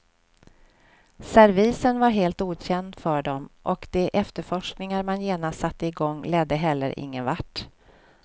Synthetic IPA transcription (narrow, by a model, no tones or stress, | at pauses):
sæɾviːsənvaɾɦeːlt̪uːɕɛnd̪fœɖɔmʔɔkd̪̥ɛʔɛft̪əɾfɔʂknɪŋaɾmanjeːnast̪sat̪ːəɪɡɔŋːlɛd̪ːəɦɛlːə̰ɾʔɪ̰ŋːənvaʈː